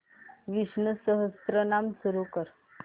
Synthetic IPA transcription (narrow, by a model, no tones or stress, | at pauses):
ʋiɕnəsəɦəst̪ɾənamsuɾukəɾ